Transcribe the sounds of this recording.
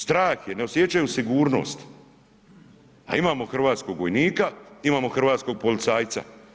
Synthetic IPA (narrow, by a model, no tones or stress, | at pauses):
st̪ɾaːxjene̞o̞sjet͡ʃajusiɡuːɾno̰ːst̪ | a̰imaːmo̞xr̩ʋaːt̪sko̞ɡʋo̞jniːkaimaːmo̞xr̩ʋaːt̪sko̞ɡ̚po̞lit̪saːjt̪sa̰